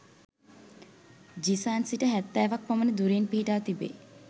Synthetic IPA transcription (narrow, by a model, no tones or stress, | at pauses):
d͡ʒisaːnsiʈəɦɛt̪ːɛːʋak̚pamənəd̪uɾinpiɦiʈaːt̪ibḛː